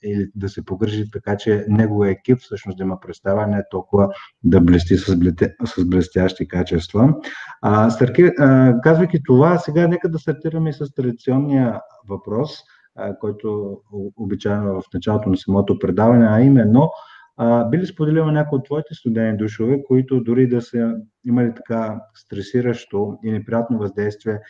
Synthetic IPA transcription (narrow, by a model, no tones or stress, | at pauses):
ilid̪ɐsɛpoɡɾʒit̪ːɐkat͡ʃɛnɛɡovijəɛkʲipfsɤʃnosd̪ɐimɐpɾɛt̪st̪avənɛɛt̪ɔlˠkʊvəd̪ɐblɛst̪issɐzblɛst̪ʲaʃt̪ikat͡ʃɛst̪və | st̪ɐɾt̪iɾkazvəjk̪ʲit̪ovasɛɡanɛkəd̪ɐst̪ɐɾt̪iɾɐmɛisɐst̪ɾɐd̪it̪siɔnːijə | vɐpɾɔs | kɔjt̪oː | bit͡ʃaɛnovɐfnɐt͡ʃalˠot̪onɐsɐmɔt̪opɾɛd̪avɐnɛɐimɛnːo | bilispod̪ɛlinɐnʲakojot̪ːvɔit̪ɛst̪ʊd̪ɛnid̪uʃovɛkoit̪ʊd̪ʊɾid̪ɐsə | imɐlit̪ɐ̥kast̪ɾɛsiɾəʃt̪oinɛpɾijat̪novɐzd̪ɛjst̪viɛ